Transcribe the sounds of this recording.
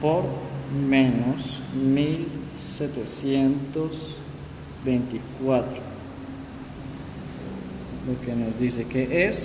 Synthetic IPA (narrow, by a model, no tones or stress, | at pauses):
poɾmẽnosmilset̪esjent̪os | bejnt̪ikwat̪ɾo | lokenozd̪isekeʔes